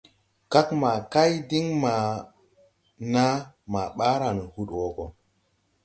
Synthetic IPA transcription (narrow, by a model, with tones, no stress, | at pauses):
ka˦kma˨ka˦jdi˦ŋma˨ | na˦ma˨ɓa˦ɾa˨n˨hu˦ɗwo˨ɡo˨